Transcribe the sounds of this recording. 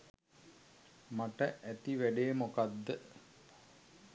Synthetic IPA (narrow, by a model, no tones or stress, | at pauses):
maʈəʔæt̪iʋæɖejmokad̪ːə